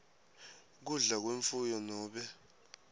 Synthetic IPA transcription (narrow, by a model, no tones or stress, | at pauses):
k̬uɮak̬weɱfujɔnɔːɓɛ